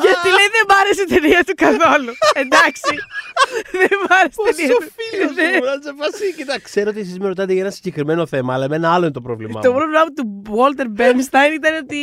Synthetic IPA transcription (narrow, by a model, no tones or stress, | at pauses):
ʝɐt̪ileiðe̞mɐɾes̬t̪eɾiɐt̪ukɐθo̞lue̞nd̪ɐksi | ðemɐɾest̪eɾiɐilneɐsefɐssicit̪ɐkse̞ɾoot̪ies̬izmeɾo̞t̪ɐt̪eʝɐenɐsiɟe̞kɾimeno̞θe̞mɐːlɐmenɐɐloinet̪opɾovlḭmmɐ̰t̪opɾovlemɐput̪uwolt̪eɾbemst̪ɐjnit̪ɐneot̪i